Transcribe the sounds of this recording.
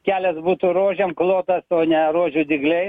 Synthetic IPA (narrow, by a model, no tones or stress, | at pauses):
kʲæːlʲɛsbuːt̪uːɾoːʒʲeːmklˠoːt̪ɐsoːnʲɛɾoːʒʲʊd̪ʲɪɡlʲɛɪ